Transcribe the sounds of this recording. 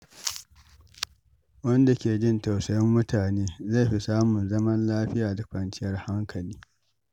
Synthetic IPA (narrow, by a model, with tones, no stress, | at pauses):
wɐ˦nda˨kʲeː˨d͡ʒɪ˦˨nta˨wsɐ˨jɐ˦mːʊ˦tʰaː˨neː˦za˦˨ɸi˦saː˦mʊ˨nzɐ˦mɐ˦nlaː˦ɸɪ˦jaː˨da˨kʷɐ˨nt͡ʃɪ˦jɐ˦rha˦ŋkʰɐ˨liː˦